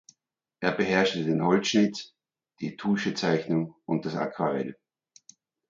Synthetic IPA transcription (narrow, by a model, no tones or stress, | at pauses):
ʔeːɐbəɦɛɐʃtədeːnɦɔltʃnɪt | d̥iːd̥uːʃət͡saɪçnʊŋʔʊnt̚d̥asa̰kʰv̥aʁɛ̰l